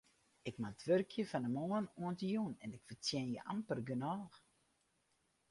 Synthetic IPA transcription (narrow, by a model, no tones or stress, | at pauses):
ɪkmaətʰʋørkʰjəfanəmoːnuəntəjunɛnɪkfərtjɛnjəʔampərɡənɔːx